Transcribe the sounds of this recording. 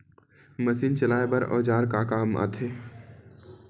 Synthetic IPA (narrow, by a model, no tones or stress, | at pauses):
məsiːnt͡ʃɐlaːebɐɾɔ̰ːd͡ʒaːɾkakaːma̰t̪ʰeː